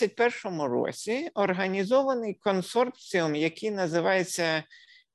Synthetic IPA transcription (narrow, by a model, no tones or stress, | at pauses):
ɐt̚ʲpɛrʃɔmʊɾɔ̰sʲiɔrɦɐnʲizɔʋɐnɪjkɔnsɔrpt͡sʲiʊmjɐkɪjnɐzɪʋɑjet͡sʲːɐ